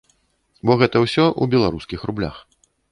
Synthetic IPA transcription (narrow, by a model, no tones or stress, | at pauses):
bɔɣɛt̪ɐwsʲɔʔubʲɛlˠaɾuskʲixrublʲa̰x